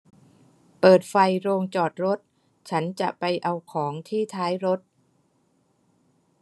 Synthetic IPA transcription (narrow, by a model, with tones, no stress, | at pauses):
pɤː˨˩t̪̚fa˧jɾoː˧ŋt͡ɕɔː˨˩t̪̚ɾo˦˥t̪̚ | t͡ɕʰa˦˥nt͡ɕa̰˨˩ʔpa˧jʔa˧wkʰɔː˩˦ŋt̪ʰiː˥˩t̪ʰaː˦˥jɾo˦˥t̪̚